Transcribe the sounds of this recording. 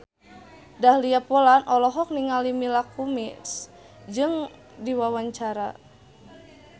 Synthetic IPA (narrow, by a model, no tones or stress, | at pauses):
dahliapɔlanʔɔlɔɦɔk̚niŋalimilakumis | d͡ʒɨŋ | diwawaɲt͡ʃaɾa̰